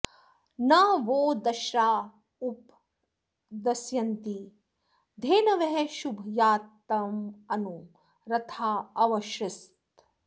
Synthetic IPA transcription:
nɐʋoːd̪ɐʃɾaː | up | d̪ɐsjɐnt̪i | d̪ʱeːnɐʋeɦeʃubʱjaːt̪ːɐmɐnu | ɾɐt̪ʰaːɐʋɐʃɾɪst̪

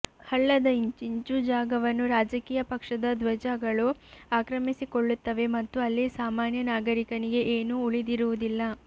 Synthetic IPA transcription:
hɐɭːɐd̪ɐiɲt͡ʃiɲt͡ʃud͡ʒaːɡɐʋɐnːuɾaːd͡ʒɐkiːjɐpɐkʂɐd̪ɐd̪ʋɐd͡ʒaɡɐɭuaːkɾɐmisikoɭːut̪ːɐʋe̞mɐt̪ːuɐlːisaːmaːnjɐnaːɡɐɾikɐniɡe̞ʔeːnuːɭid̪iɾuʋud̪ilːɐ

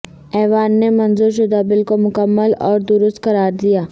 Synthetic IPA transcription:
ɛːʋaːnːemɐ̃nzuɾʃ̬ʊd̪abɪlkomʊkəmːəlɔːɾd̪ʊɾʊst̪kɐɾaːɾd̪ijaː

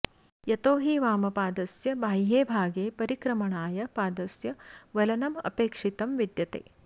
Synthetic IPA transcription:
jɐt̪oːɦiːʋaːmɐpaːd̪ɐsjɐbʱaːjɦeːbʱaːɡeːpɐɾikɾɐmɐɳaːjɐpaːd̪ɐsjɐʋɐlɐnɐmɐ̰peːkʂit̪ɐmʋid̪jɐt̪ḛː

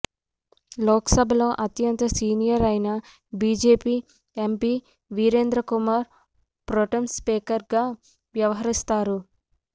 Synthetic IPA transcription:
lɔːkɐsɐbʱɐloːʔɐt̪jɐnt̪ɐsiːnijɐɾɐjnɐ | biːd͡ʒeːpiː | empiː | ʋiːɾeːnd̪ɾɐkumaːɾ | pɾoʈɐmspeːkɐɾɡaː | ʋjɐʋɐɦɐɾist̪aːɾu

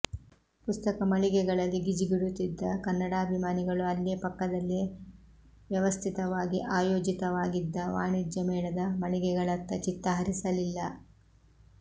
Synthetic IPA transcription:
pust̪ɐkɐmɐɭiɡɛɡɐɭɐlːiɡid͡ʒiɡiɽut̪ːid̪ːɐkɐnːɐɽaɐbʱimaːniɡɐɭuɐlːeːpɐkːɐd̪ɐlːi | ʋjɐʋɐst̪ʰit̪ɐʋaːɡiʔaːjoːd͡ʒit̪ɐʋaːɡid̪ːɐʋa̰ːɳid͡ʒjɐmɛːɭɐd̪ɐmɐɭiɡɛɡɐɭɐt̪ːɐt͡ʃit̪ːɐɦɐɾisɐlilːɐ

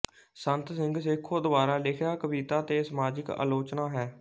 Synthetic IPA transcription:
sənt̪sɪŋɡsɪkʰːoːd̪əbaːɾaːlɪkʰjaːkəbiːt̪aːt̪eːsəmaːd͡ʒɪka̰ːloːt͡ʃnaːɦɛː

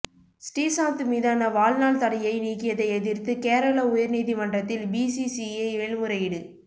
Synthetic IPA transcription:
sʈeːsaːnt̪ɯmiːðaːnɐʋaːlnaːlt̪ɐɽɐjɐɪniːkːɪjɐðɐɪɛðɪrt̪ɯkeːɾɐɭɐʊjɐɾniːðimɐɳɖrɐt̪ːɪlbiːsisieeːɭmɯɾɐjɪɽɯ

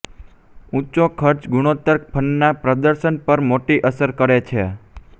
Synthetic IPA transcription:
ũt͡ʃokʰəɾt͡ʃɡuɽ̃ot̪əɾk̚pʰənːapɾəd̪əɾʃənpəɾmoʈiʔəsəɾkəɾet͡ʃʰe

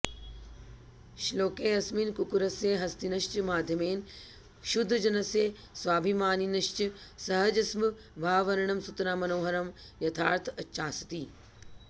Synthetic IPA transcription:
ʃloːkeːɐsminkukuɾɐseːɦɐst̪inɐʃt͡ʃmaːd̪ʱjɐmeːn | ʃʊd̪ʱːd͡ʑɐnɐseː | swaːbʱimaːninɐʃt͡ʃɨsɐɦɐd͡ʑɐsmɨ | ʋʱaːʋɐɾɳ̃ɐmsut̪naːmɐnoːɦɐɾɐm | jɐt̪ʰa̰ːɾt̪ʰɐt͡ʃːʰaːst̪iː

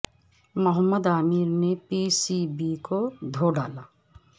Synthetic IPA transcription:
məɦəmːəd̪aːmiːɾnepisibikod̪ʱoːɖaːlaː

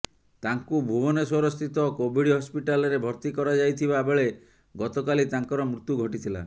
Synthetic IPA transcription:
t̪aŋkubʱubɔneswɔɾɔst̪ʰit̪ɔkobʱiɽɦɔspiʈalɔɾebʱɔɾt̪ikɔɾad͡ʒajt̪ʰibabeɭe | ɡɔt̪ɔkalit̪aŋkɔɾɔmɾut̪juɡʱɔʈit̪ʰila̰

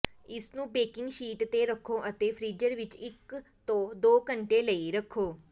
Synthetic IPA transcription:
ɪsnũːbeːkɪ̃ŋɡʃiːʈt̪eːɾəkʰːõːʔət̪eːpʰɾiːd͡ʒəɾʋɪt͡ʃɪkt̪õːd̪oːkəɳʈeːləiɾəkʰːoː

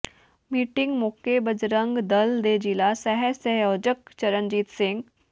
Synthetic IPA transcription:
miːʈɪ̃ŋɡmoːkebɐd͡ʒɾə̃ŋɡd̪ɐld̪eːd͡ʒiːlasɛɦɛsɛɦjɔːd͡ʒəkt͡ʃɐɾənd͡ʒiːt̪sɪ̃ŋɡ

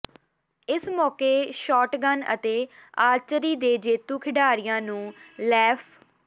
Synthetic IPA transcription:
ɪsmɔːkeːʃɔːʈɡənə̰t̪eːaːɾt͡ʃəɾiːd̪eːd͡ʒeːt̪uːkʰɪɖaːɾɪjãːnũːlɛːpʰ

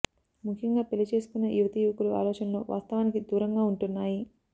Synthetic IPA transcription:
mukʰjɐŋɡaːpelit͡ʃe̞ːsu̥kunːɐjuʋɐt̪ɐjuʋkulua̰ːlɔːt͡ʃɐnɐlo̞ːʋʔa̰ːst̪ɐʋaːnikid̪uːɾɐŋɡaːuɳʈunːaːji

